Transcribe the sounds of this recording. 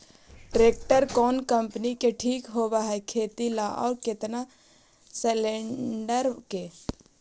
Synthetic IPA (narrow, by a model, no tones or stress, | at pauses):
ʈɾeːk̚ʈəɾkɔːnkə̃mpnikeʈʰiːkɦoːʋaɦɛkʰeːt̪ilaʔɔ̰ːɾkɪt̪na | selẽɳɖəɾke